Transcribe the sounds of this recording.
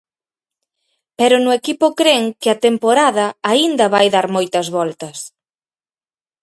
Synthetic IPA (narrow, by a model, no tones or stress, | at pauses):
peɾʊnʊekipʊkɾeŋkɪɐt̪empoɾaðɐaind̪ɐβajðaɾmojt̪ɐzβɔlt̪ɐs